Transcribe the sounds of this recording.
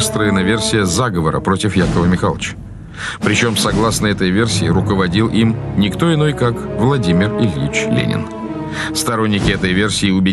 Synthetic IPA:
st̪ɾəvɪnəvʲe̞rsʲɪjəzaɡəvəɾə̰pɾo̞tʲɪfjakəvəmʲɪxalˠət͡ɕ | pɾʲɪt͡ɕo̞msɐɡlˠasnəɛt̪əjvʲe̞rsʲɪːɾʊkəvɐdʲilˠʔimnʲɪkt̪o̞ɪno̞jkakvlˠɐdʲimʲɪrɪlʲjit͡ɕlʲḛnʲɪ̰n | st̪ɐɾo̞nʲːɪkʲɪɛt̪əjvʲe̞rsʲɪːʊbʲɪ

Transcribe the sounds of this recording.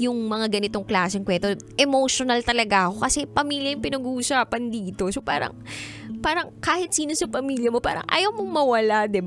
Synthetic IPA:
jʊŋmɐŋaɡɐnɪt̪o̞ŋklaːsɛŋkwɛnt̪o | ʔɛmoʃonɐlt̪ɐlɐɡaɐko̞kɐsɛpɐmiːljɐjʊŋpɪnɐɡuʔʊsaːpɐnd̪iːt̪o̞sopa̰ːɾɐ̰ŋ | paːɾɐŋkaːhɪt̪̚siːno̞sɐpɐmiːljɐmo̞pa̰ːɾɐ̰ŋʔa̰jawmoŋmɐwɐlad̪ɛb

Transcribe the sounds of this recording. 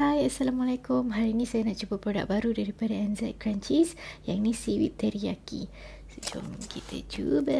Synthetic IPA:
hajasalamalakʊmɦaɾinisajanaʔt͡ʃubapɾoda̰k̚baɾudaɾipadaɛnzɛt̪̚kɾaɲt͡ʃisja̰ŋnisiwḭt̪ːɛɾiakḭ | sud͡ʒṵmkit̪ʰḛd͡ʒubə

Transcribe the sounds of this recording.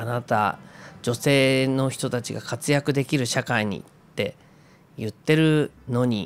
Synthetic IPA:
anat̪a̰d͡ʑo̞se̞ːno̞çi̥t̪o̞t̪at͡ɕiɡakat͡sɨjakɯ̟d̪e̞kʲiɾɯ̟ɕakaiɲ̟ḭ | t̪ːe̞ | jɯ̟t̪ːe̞ɾɯ̟no̞ɲ̟ḭ

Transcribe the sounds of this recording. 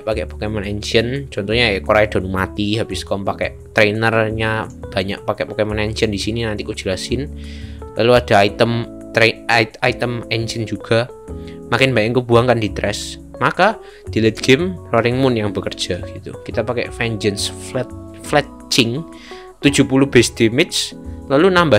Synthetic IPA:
pakɛʔpḁkɛmənɛnd͡ʒənt͡ʃɔnt̪ɔhɲaɛkoɾajad̥a̤numat̪iɦabɪskɔmpakɛ̰ʔt̪ɾenərɲab̥a̤ɲa̰ʔ̚pakɛʔpakɛmənɛnt͡ʃəndisininant̪ikud̥ʒ̥a̤lasɪnlʔaluad̥a̤it̪əm | t̪ɾeait̪əmɛnd͡ʒənd͡ʒuɡ̥a̤ | makɪnbaɲaŋkub̥uaŋkandit̪ɾɛs | maka | d̪̥i̤lɛt̪̚ɡ̥emrɔɾɪŋmʊnjaŋbəkər̥d͡ʒ̥a̤ɡ̥it̪ṵkit̪apakɛ̰ʔfɛnd͡ʒənsflɛt̪̚ | flɛt̪ | t͡ʃɪŋ | t̪ud̥d͡ʒ̥ṳpuluhb̥ɛsd̪̥imɪslalunamba

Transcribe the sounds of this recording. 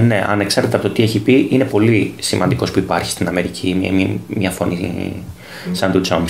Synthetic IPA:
ne̞ʔɐ̰neksɐɾt̪et̪eɐpot̪ot̪ieçipiʔine̞po̞lisimɐ̰nd̪iko̞spuipɐɾçi̥st̪inɐme̞ɾicʰiɐ̰mɲɐfo̞ni | sɐnt̪ud͡zoms

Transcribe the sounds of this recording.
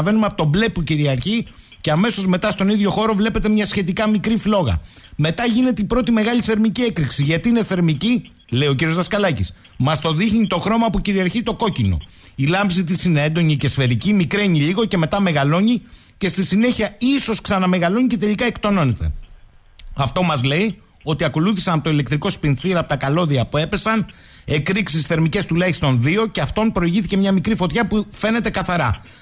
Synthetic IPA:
ve̞numeɐpot̪o̞ble̞puciɾiɐɾçi | ce̞ɐme̞so̞zme̞t̪ɐst̪o̞niðʝo̞xo̞ɾo̞vle̞pe̞t̪emɲɐsçe̞t̪̬ikɐmikɾiflo̞ɣɐ̰me̞t̪ɐʝine̞t̪e̞ipɾo̞t̪ime̞ɣɐʎiθe̞ɾmicie̞kɾiksiʝɐt̪iine̞θe̞ɾmici | le̞io̞c̬iɾiozðɐskɐlɐcis | mɐst̪o̞ðixɲit̪o̞xɾo̞mɐpuciɾiɐɾçit̪o̞ko̞cino̞̰ | ilɐmbzit̪isineend̪o̞ɲice̞sfe̞ɾicimikɾe̞ɲiʎiɣo̞ce̞me̞t̪ɐme̞ɣɐlo̞ɲi | ce̞st̪isine̞çiɐiso̞sksɐnɐme̞ɣɐlo̞ɲice̞t̪e̞ʎikɐe̞kt̪o̞no̞net̪e̞̰ | ɐft̪o̞mɐzle̞i | o̞t̪iɐko̞luθisɐnɐpot̪o̞ile̞kt̪ɾiko̞spinθiɾɐpot̪ɐkɐlo̞ðiɐpue̞pe̞sɐn | e̞kɾiksisθe̞ɾmice̞st̪ulɐjçist̪o̞nðio̞ce̞ɐft̪o̞npɾo̞iʝiθice̞mɲɐmikɾifo̞t̪çɐpufe̞ne̞t̪e̞kɐθɐɾɐ

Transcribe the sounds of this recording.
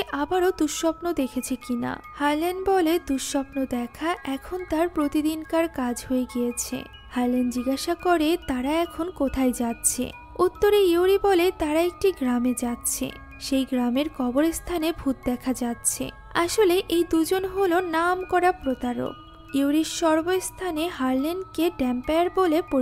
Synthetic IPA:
ʔabaɾod̪uʃʃɔpnod̪ekʰet͡ɕʰekina̰haɾlanɖbɔled̪uʃʃɔpnod̪ɛkʰaʔɛkʰont̪aɾpɾot̪id̪inkaɾkad͡ʑɦoeɡijet͡ɕʰḛ | haɾlend͡ʑiɡaʃakoɾet̪aɾaɛkʰonkot̪ʰajd͡ʑatːɕʰḛ | ut̪ːoɾeuɾibɔlet̪aɾaek̚ʈiɡɾamed͡ʑatːɕʰḛ | ʃejɡɾameɾkɔboɾest̪ʰanebʱut̪̚d̪ɛkʰad͡ʑatːɕʰḛ | aʃoleʔejd̪ud͡ʑonɦolonamkɔɾapɾot̪aɾo̰k̚ | uɾiɾʃɔɾbost̪ʰaneɦaɾlenɖkeɖɛmpeaɾbolepo

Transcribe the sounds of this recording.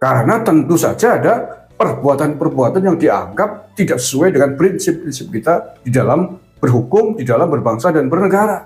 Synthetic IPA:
kaɾənat̪ənt̪usa̰d͡ʒaːda | pərbuat̪anpərbuat̪anjaŋdia̰ŋɡap̚t̪idaʔksə̥suajdəŋanpɾɪnsɪpːɾɪnsɪp̚kit̪ad̥idalam | bərɦukʊmdidalambərbaŋsadanbərnəɡaɾa

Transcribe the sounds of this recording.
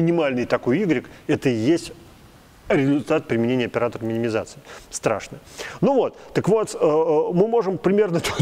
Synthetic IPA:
mʲɪnʲɪmalʲnɨjt̪ako̞jiɡɾʲɪkɛt̪əjesʲtʲ | ɾʲɪzʊlʲt̪at̪̚pɾʲɪmʲɪnʲenʲɪjəɐpʲɪɾat̪əɾəmʲɪnʲɪmʲɪza̰t̪sɨɪst̪ɾa̰ʂnɨnuvo̞t̪t̪əkvo̞t̪əmɨmo̞ʐɨmpɾʲɪmʲe̞rnət̪

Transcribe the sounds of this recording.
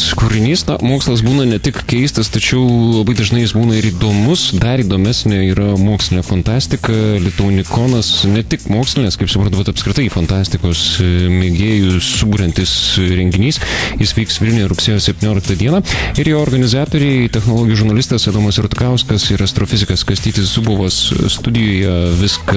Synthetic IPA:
skuɾʲɪnʲiːsnɐmoːkslˠɐs̬buːnɐnʲɛt̪ʲɪkkʲɛɪst̪ɐst̪ɐt͡ʃʲɛʊlˠɐbɐɪd̪ɐʒnɐɪjɪsbuːnɐɪɾiːd̪oːmʊsd̪ɐɾiːd̪oːmʲɛsʲnʲɛiːɾɐmoːksʲlʲɪnʲeːfɐnt̪ɑːsʲt̪ʲɪkɐlʲɪt̪oʊnʲɪkoːnɐsnʲɛt̪ʲɪkmoːksʲlʲɪnʲɛːskɐɪpsʊpɾɐnt̪ʊbʲɛt̪ɐpskɾʲɪt̪ɐɪiːfɐnt̪ɑːsʲt̪ʲɪkoːsmʲeɡʲeːjʊsʊbuːɾʲɛnt̪ʲɪsɾʲɛŋʲɡʲɪnʲiːsjɪsʋʲiːksʋʲɪlʲnʲʊːɾʊksʲeːjoːsʲɛpʲt̪ʲiːnʲoːlʲɪk̚t̪ɐd̪ʲiɛnɐɪɾjoːoːɾɡɐnʲɪzɑːt̪oːɾʲɛɪt̪ʲɛxnolˠoːɡʲɪjuʒʊɾnɐlʲɪst̪ɐsɛd̪oːmɐsɾʊt̪kɐʊskɐsɪɾɐst̪ɾoːfʲɪzʲɪkɐskɐsʲt̪ʲiːt̪ʲɪssʊboːʋɐsst̪ʊd̪ʲɪjoːjɛʋʲɪsk

